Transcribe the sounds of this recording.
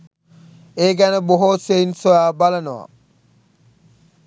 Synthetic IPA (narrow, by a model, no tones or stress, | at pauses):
eːɡæneboɦoːseinsojaːbalɐnowa̰